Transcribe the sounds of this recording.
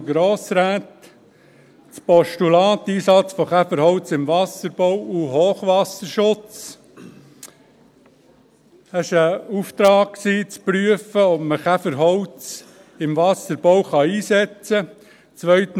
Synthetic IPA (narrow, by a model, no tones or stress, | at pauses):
ɡɾoːsɾæːt̪ | t͡spɔʃtulɑːt̪ːiːsɑt͡sfɔχæfəɾhɔʊt͡sɪmʋɑsəɾb̥ɔwuɦoːχʋɑsəɾʃʊt͡s | əʃəuft̪ɾɑːk̚ksiːt͡spɾyəfəɔpməkæfəɾɦɔwt͡s | ɪmʋɑsəɾb̥ɔwχɑiːsɛt͡sə | t͡sʋœʏt